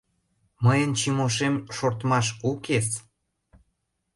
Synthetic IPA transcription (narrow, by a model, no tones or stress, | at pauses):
məjənt͡ɕimoʃemʃort̪mɑʃukes